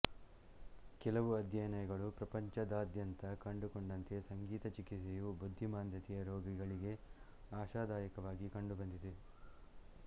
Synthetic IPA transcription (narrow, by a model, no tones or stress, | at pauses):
kɛlɐʋuɐd̪ʱjɐjnɐjɐɡɐɭupɾɐpɐɲt͡ʃɐd̪aːd̪ʱjɐnt̪ɐkɐɳɖukoɳɖɐnt̪e̞sɐŋɡiːt̪ɐt͡ʃikiejubud̪ʱːimaːnd̪jɐt̪ijɐɾoːɡiɡɐɭiɡe̞ | aːʃaːd̪aːjɐkɐʋaːɡikɐɳɖubɐnd̪id̪e